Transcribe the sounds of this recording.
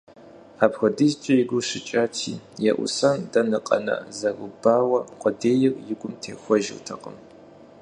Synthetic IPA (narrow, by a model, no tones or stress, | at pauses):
aːpxʷɔdizt͡ʃʼɐjɪɡʷʊɕɪt͡ʃʼaːtʰiːjɛʔʷʊ̰sɐndɐnɨqʼɐ̰nɐ̰zɐɡʷʊbaːwɐqʷʼɔdeːjɪrjɪɡʷʊmtʰeːxʷɔʒɪ̰rtʰɐqʼə̰m